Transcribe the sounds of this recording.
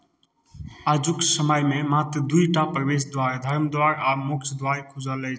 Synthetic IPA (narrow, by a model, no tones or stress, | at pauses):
ad͡ʒuksəməjmemat̪ɾəd̪uiʈapɾəbes̬d̪waɾad̪ʱəɾmd̪waɾamokt͡ʃʰd̪waɾikʰud͡ʒəlɛj